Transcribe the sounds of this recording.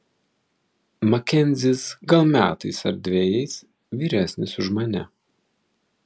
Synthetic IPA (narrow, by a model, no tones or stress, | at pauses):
mɐkʲɛnʲzʲɪsɡɐlˠmʲæ̰ːt̪ɐɪsɐɾʲd̪ʲʋʲɛːjɛɪs | ʋʲiːɾʲæːsʲnʲɪsʊʒmɐnʲɛ